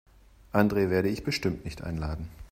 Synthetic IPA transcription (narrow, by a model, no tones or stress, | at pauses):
ʔandʁeːveːɐɾəɪçb̥əʃtɪmtnɪçtʔa̰ɪnlaːdn̩